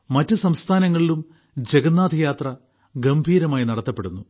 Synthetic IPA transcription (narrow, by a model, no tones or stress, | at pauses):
mɐtːɨsɐmst̪ʰaːnɐŋːɐɭilum | d͡ʑe̞ɡɐnːaːd̪ʱɐjaːt̪rɐ | ɡɐmbʱiːɾɐmaːjinɐɽɐt̪ːɐpːe̞ɽunːu